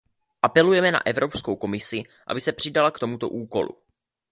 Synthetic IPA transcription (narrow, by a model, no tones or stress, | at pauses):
ʔapɛlujɛmɛna̰ʔɛvɾo̞pskowko̞mɪsɪ | ʔa̰bɪsɛpr̝̥ɪdalakt̪o̞mut̪o̞̰ʔuːko̞̰lṵ